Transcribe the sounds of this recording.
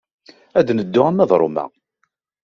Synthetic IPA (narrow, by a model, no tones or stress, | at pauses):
æd̪nəd̪ːʊʁæmæðˤɾˤo̰mæ̰